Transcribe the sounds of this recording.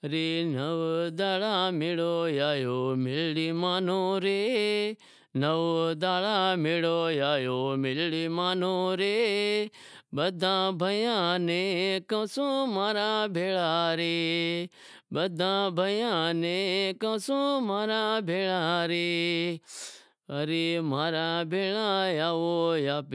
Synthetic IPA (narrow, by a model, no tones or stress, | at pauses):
ɾeːnəʋd̪aːɭaːmɪɭoːjaːjoːmɪlɽiːmaːn̤õːɾeː | nəʋd̪aːɭaːmɪɭoːjaːjoːmɪlɽiːmaːnõːɾeː | bəd̪ʱãːbʱəjãːnẽːkɐsũːmaːɾaːbʱeːɭaːɾeː | bəd̪ʱãːbʱəjãːnẽːkɐsũmaːɾaːbʱeːɭaːɾː | əɾimaːɾaːbʱeːɭãːjaːʋojaː